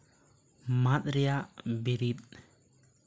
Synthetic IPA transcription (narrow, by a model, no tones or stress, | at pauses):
mat̪̚ɾɛjaʔbiɾit̪̚